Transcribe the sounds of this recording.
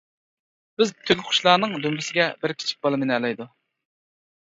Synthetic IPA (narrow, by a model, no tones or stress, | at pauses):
b̥ɪzt̪ʰøɡʲχʰʊ̥ʃlˠɑːnɨŋd̪ymbɪsɪɡʲɛbɪɾkʲʰi̥t͡ʃʰi̥k̚ʲbɑlˠɨmɪnɛlˠɛjd̪u